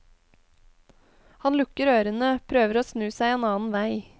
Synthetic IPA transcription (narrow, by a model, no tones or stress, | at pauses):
hɑnlʊkəɾøːɾənəpʰɾøːʋəɾoːsnʉːsæɪeːnɑːn̩ʋæɪ